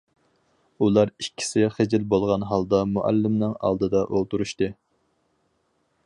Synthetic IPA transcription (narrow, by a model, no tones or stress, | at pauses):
ulˠɑɾikʲʰːi̥sɪχed͡ʒɪlbolˠʁɑnɦɑlˠd̪ɑmuʔæ̰lːɪmnɨŋɑ̰lˠd̪ɨd̪ɑʔolˠt̪uɾuʃt̪ɨ